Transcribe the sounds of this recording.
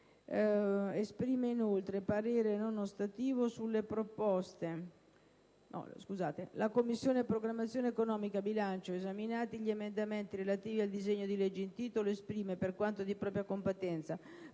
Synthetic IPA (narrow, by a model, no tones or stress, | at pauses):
espɾiːmeinolt̪ɾepaɾɛːɾenonost̪at̪iːvosulːepɾopɔst̪e | nɔ̰skuzaːt̪elakomːisːjoːnepɾoɡɾamːat̪sːjoːneːkonɔːmikabilant͡ʃoezaminaːt̪iʎiemend̪ament̪iɾelat̪iːviald̪izeɲːod̪ilɛd͡ʒːeint̪iːt̪oloespɾiːmeperkwant̪od̪ipɾɔːpɾjakompet̪ɛnt̪sa